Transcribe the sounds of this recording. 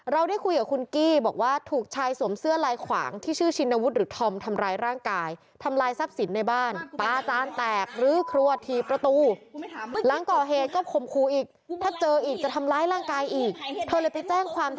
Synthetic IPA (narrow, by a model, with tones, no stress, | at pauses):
ɾa˧wda˥˩jkʰu˧jkaː˨˩kʰu˧nkiː˥˩bɔː˨˩k̚waː˥˩t̪ʰuː˨˩k̚t͡ɕʰaː˧jsu˨˩˦əmsɯ˥˩əlaː˧jkʰwa̰ː˩˦ŋt̪ʰiː˥˩t͡ɕʰɯː˥˩t͡ɕʰi˧nʔa˧wu˦˥t̪̚ɾɯː˩˦˥t̪ʰɔ˧mt̪ʰa˧mɾaː˧jɾaː˥˩ŋkaː˧j | t̪ʰa˧mlaː˧jsa˦˥p̚si˩˦nːa˧jbaː˥˩npaː˧t͡ɕaː˧nt̪ɛː˨˩k̚ɾɯː˨˩˦kʰɾu˧ɐt̪ʰiː˧pɾa˧t̪uː˧ | la˩˦ŋkɔː˨˩ɦeː˨˩t̪̚kɔː˥˩kʰo˨˩mkʰuː˧ʔiː˨˩k̚t̪ʰaː˥˩t͡ɕɤː˧ʔiː˨˩k̚t͡ɕa˨˩t̪ʰa˧mlaː˧jɾaː˥˩ŋkaː˧jʔiː˨˩k̚t̪ʰɤː˧lɤ˧jpa˧jt͡ɕɛː˥˩ŋkʰwaː˧m